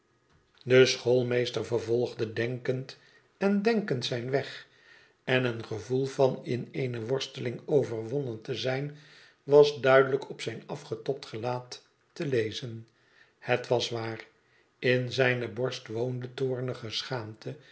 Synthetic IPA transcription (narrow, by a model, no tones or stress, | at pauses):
dəsχolˠmejstərvərvɔlˠχdədɛŋkənt | ɛndɛŋkəntsɛjnʋɛχ | ɛnənχəvulˠvɑnɪnejnəʋɔɹstəlɪŋowvərʋɔnəntəzɛjn | ʋɑzdœɥdələkʰɔpsɛjnɑfχətɔp̚tχəlaːtː | əlejzən | hətʋɑsʋaːr | ɪnzɛjnəbɔɹstʋowndətʊːɹnəχəsχaːmtʰə